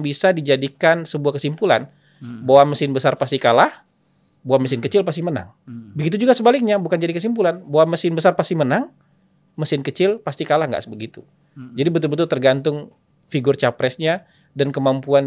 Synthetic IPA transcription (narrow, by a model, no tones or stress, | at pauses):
bisadid͡ʒadikansəbuahkəsimpulan | bawaməsɪnbəsarpast̪ikalah | bawaməsɪnkət͡ʃɪlpast̪iməna̰ŋ | bəɡit̪ud͡ʒuɡasəbalɪk̚ɲabukand͡ʒadikəs̬impulanbawaməsɪnbəsarpast̪imənaŋ | məsɪnkət͡ʃɪlpast̪ikalahŋɡa̰ʔbəɡit̪u | d͡ʒadibət̪ʊlbət̪ʊlt̪ərɡant̪ʊŋ | fiɡʊrt͡ʃapɾɛsɲa | dankəmampuan